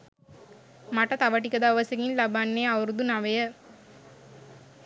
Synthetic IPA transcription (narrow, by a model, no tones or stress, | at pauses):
mɐʈːɐt̪ɐʋɐʈ̬ːikːɐd̪aːʋɐsɐɣinlɐbanːeːɐʋɾd̪unɐʋɐjɐ